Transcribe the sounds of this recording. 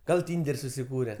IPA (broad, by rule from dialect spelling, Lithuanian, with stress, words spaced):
ˈɡɐlˠ ˈtʲiːnʲdʲɛrʲ sʊsʲɪˈkuːrʲɛ